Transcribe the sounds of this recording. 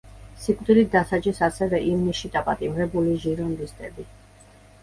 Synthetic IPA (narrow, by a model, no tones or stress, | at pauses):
sikʼvd̪ilit̪̚d̪asad͡ʒisasɛvɛʔimniʃid̪apʼat̪ʼimɾɛbuliʒiɾɔnd̪ist̪ʼɛbi